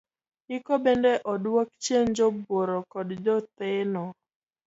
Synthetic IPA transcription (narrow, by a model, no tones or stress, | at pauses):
ɪkɔbɛndɛʔɔdwok̚t͡ʃjend͡ʒɔboɾɔkɔdd͡ʒɔt̪enɔ